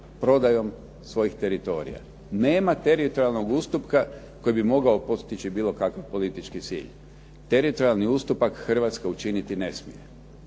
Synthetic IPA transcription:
pɾo̞d̪ajo̞m | sʋo̞jixt̪e̞ɾit̪o̞ːɾḭja̰ | neːmat̪e̞ɾit̪oɾalˠno̞ɡuːst̪upka | ko̞jibimo̞ɡaopo̞t̪st̪it͡ʃibiːlˠo̞kakaʋpo̞lit̪it͡ʃkit̪sḭːʎ | t̪eɾit̪oɾialˠniust̪upakxr̩ʋat̪skaut͡ʃinit̪ine̞smḭje

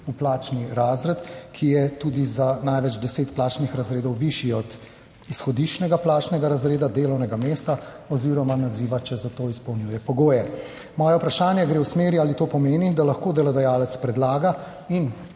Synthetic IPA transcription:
uplaːt͡ʃniɾaːzɾɛt̪kʰijɛt̪uːd̪izanajʋɛd͡ʒd̪ɛseːt̪plaːt͡ʃnixɾazɾeːd̪ɔwʋiʃiɔd̪ | isxɔd̪it͡ʃnɛɡaplaːt͡ʃnɛɡaɾazɾeːd̪ad̪eːlɔwnɛɡameːst̪a | ɔziːɾɔmanaziːʋat͡ʃɛzat̪oːispɔwnjuːjɛpɔɡoːjɛ | mɔːjɛupɾaʃaːnjɛɡɾewsmeːɾiaːlit̪oːpɔmeːnid̪alɐxkoːd̪ɛlɔd̪ɛjaːlɛt̪spɾɛd̪laːɡa | in

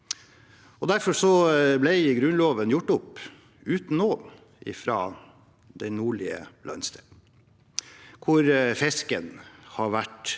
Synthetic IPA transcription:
ɔd̪æɾfɔʂɔblɛɪɡɾʉnloːʋənjʊʈːʊp | ʉːt̪n̩ːoː | ʔɪ̰fɾɑ̰ː | d̪ɛnuːɭɪə̰lɑ̰nst̪ɛ | kʰʊɾfɛskənhɑɾʋæʈ

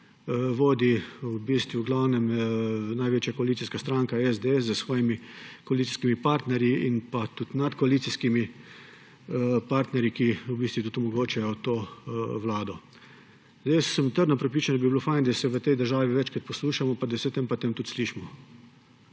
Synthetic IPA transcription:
ʋoːd̪iubist̪ʋuwɡlawnɛmnajʋeːt͡ʃjakɔaliːt̪siskast̪ɾaŋkaɛzd̪eɛszəsʋɔːjimikɔaliːt̪si̥skimipaɾt̪nɛɾjiinpat̪ut̪nat̪kɔaliːt̪siskimi | paɾt̪nɛɾjikiubist̪ʋit̪ut̪ɔmɔɡoːt͡ʃɛjɔt̪oːʋlaːd̪ɔ | zd̪ejssəmt̪əɾd̪napɾɛpɾiːt͡ʃand̪abibilofajnd̪asɛʋət̪ɛjd̪əɾʒaːʋiʋɛt͡ʃkɾat̪̚pɔsluːʃamɔpad̪asɛt̪empat̪emt̪ut̪sliːʃmɔ

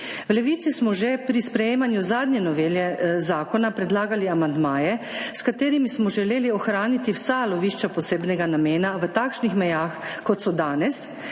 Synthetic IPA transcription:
wlɛʋiːt̪sismɔʒepɾispɾɛjeːmanjuzaːd̪nɲɛnɔʋeːljɛzaːkɔnapɾɛd̪laːɡaliamand̪maːjɛskat̪eːɾimismɔʒɛleːliɔxɾaːnit̪iwsalɔʋiːʃt͡ʃɔpɔseːbnɛɡanameːnaʋət̪aːkʃnixmɛjaːxkɔt̪sɔd̪aːnɛs

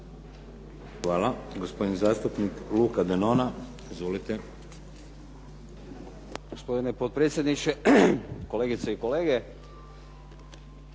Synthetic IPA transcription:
xʋaːlaɡospod̪nizaːst̪upnikluːkad̪enona | izʋoːlit̪ɛ | ɡospo̞d̪inepot̪̚pɾet̪sʲjed̪nit͡ʃeko̞leːɡit̪seiko̞leːɡe

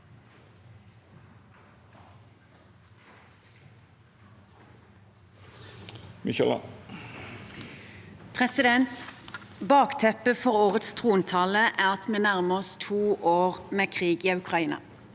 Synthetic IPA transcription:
mɪʃɛl̰ | pʰʁɛsɪd̪ɛnt̪bɑːkt̪ʰɛpəfɔʁoːʁət̪st̪ʰʁuːnt̪ʰɑləʔæːʁɑt̪meːnæʁməɔst̪ʰuːʔoːʁmeːkʰʁiːɡiːʉkʰʁɑiːnɑ̰

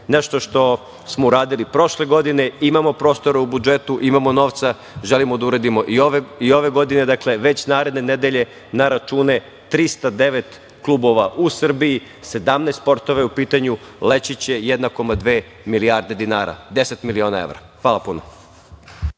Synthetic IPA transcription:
ne̞ʃt̪oʃt̪o̞ | smouɾaːd̪ilipɾo̞ʃle̞ɡo̞d̪ine̞imamo̞pɾo̞ːst̪o̞ɾeubud͡ʒe̞t̪uʔimamono̞ʋt̪sa | ʒelimod̪auɾed̪imo̞ʔioʋeio̞ʋe̞ɡo̞d̪ine̞d̪akle̞ʋe̞t͡ɕnaːɾe̞d̪ne̞ne̞d̪eʎe̞ | naɾat͡ʃuːne̞ | t̪ɾist̪ad̪e̞ʋe̞t̪ | klˠuːbo̞ʋaʔusr̩biji | se̞d̪amneːst̪po̞ɾt̪oʋaupiːt̪aɲule̞t͡ɕit͡ɕe̞jed̪nako̞mad̪ʋeː | miliaɾd̪e̞d̪inaːɾa̰d̪e̞set̪milio̞ːnae̞̰ʋɾa̰ | xʋaːlˠapuno̰

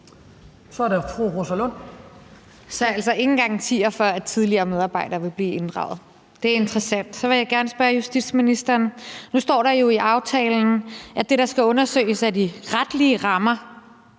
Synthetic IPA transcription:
sɒɐɾefʰʁuʁosælɔn̰ | sɒ̽ælsɐʔe̝ŋn̩ɡ̥ɑ̈ŋ̰t͡sʰḭːɐfɶɐæd̥̚t͡sʰið̞ˠliɐːmeð̞ˠɑ̈ːb̥ɑ̈ɪ̰ɾ̥ɐːʋe̝b̥liːe̝nd̥ʁɑ̈ʊð̞̩ˠ | d̥e̝æɐe̝nd̥ʁɐsæn̰d̥sɒ̽ʋe̝jɑ̈ɪɡ̥æɐnsb̥ɶːɐjusd̥id̥sminisd̥ɐːnnusd̥ɒ̰ːɾɑ̈jo̝iʔɑ̈ʊt͡sʰɛːln̩ʔæd̥e̝ɾ̥ɑ̈sɡ̥æɔ̽nɐsø̰ːɪəsædiʁad̥liəʁɑ̈mɐ

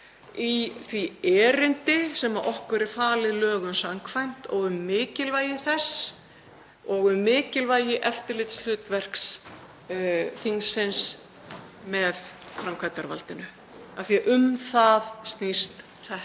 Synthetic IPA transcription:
iθviɛːɾɪnt̪ɪsɛmaʔɔhkʏɾɾɛɾ̥faːlɪðlœːɣʏnsaŋkʰvajn̥t̪ɔɣʏmːɪːcɪlvaːjɪθɛs | ɔɣʏmːɪːcɪlvaːjɪʔɛft̪ɪɾlɪt̪sl̥ʏːt̪vɛr̥ks | θiŋsɪns | mɛðfɾamkʰvat̪aɾva̰lt̪ɪnʏ | aθiaʔʏmθaðst̪nist̪ | θɛh

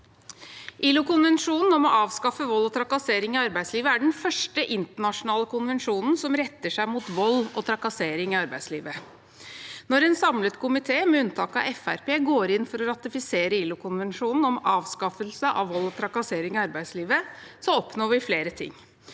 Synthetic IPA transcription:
ʔɪlʊkʊnʋɛnʂuːnn̩ɔmɔʔɑːʋskɑfəʋɔlːɔt̪ʰɾɑkɑseːɾɪŋɪɑɾbæɪsliːʋəæɖɛn̩fœʂʈəʔɪnt̪əɳɑʂʊnɑːləkʰʊnʋɛnʂuːnn̩sɔmɾɛt̪ːəʂæɪmuːt̪ʋɔlːɔt̪ʰɾɑkɑseːɾɪŋɪɑɾbæɪd̪slḭːʋə | nɔɾɛnsɑmlət̪kʰʊmɪt̪ʰeːmɛʉnːt̪ʰɑːkɑɛfæ̰ɾpeːɡoːɾɪnfɔɾɔɾɑt̪ɪfɪseːɾəilʊkʰʊnʋɛnʂuːnn̩ɔmɑːʋskɑfəlsəʔɑ̰ʋʋɔlːɔt̪ʰɾɑkɑseːɾɪŋɪɑɾbæɪsliːʋəsɔɔpnoːʋɪfleːɾət̪ʰɪ̰ŋː

